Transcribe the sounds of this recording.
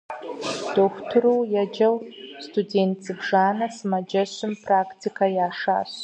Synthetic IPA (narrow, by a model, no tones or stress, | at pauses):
d̥oxʷtʰɨɾowjad͡ʒɐwstʰudeːntʰt͡sɨbʐaːnɐsmad͡ʒɐɕʷɨmpʰrakʰtʰikʰajaːʂa̰ːɕ